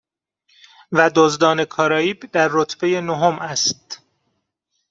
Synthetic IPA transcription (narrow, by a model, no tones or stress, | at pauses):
væd̪ozd̪ɒːne̞kʰɒːɾɒːiːbd̪æɾːot̪ʰb̥e̞je̞noɦomæst̪̚